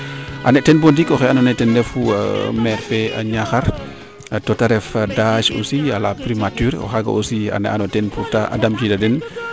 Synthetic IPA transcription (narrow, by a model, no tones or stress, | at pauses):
ʔanɛtɛnbondikɔxɛanɔnɛtɛndɛfṵmɛɾpɛa̰ɲaxaɾ | atotaɾɛfdaʃo̰sialapɾimatyɾɔ̰xaɡa̰ʔosia̰nɛ̰ʔanɔtɛnputaʔa̰damkidadɛn